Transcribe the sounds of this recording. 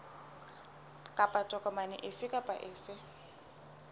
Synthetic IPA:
kʼapʼatʼɔkʼɔmanɪ̰ʔɪsɪkʼapʼaʔɪːsɪ

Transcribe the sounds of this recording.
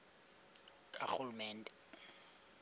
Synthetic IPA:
kʼa̰xulumɛːndʱʼɛ

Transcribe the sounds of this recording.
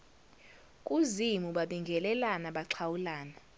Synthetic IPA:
kʼuzimuɓaɓiŋɡʱɛlɛlanaɓaǀʰawulaːna

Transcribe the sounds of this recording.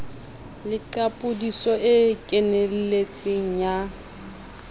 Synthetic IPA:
lɪǃapʼʊdisɔʔɪkʼɛnel̩let͡sʼɪŋ̩ɲja

